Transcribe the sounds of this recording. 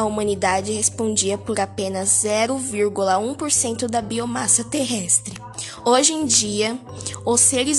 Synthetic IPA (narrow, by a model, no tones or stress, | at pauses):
ɐumɐ̃nid̪ad͡ʒɪhespõd͡ʒiɐpoɾapẽnɐzːɛɾʊviɾɡulɐũpoɾsẽnt̪ʊd̪ɐbiomasɐt̪eɦɛst̪ɾɪ | oʒẽj̃d͡ʒiɐ | ʊseɾɪz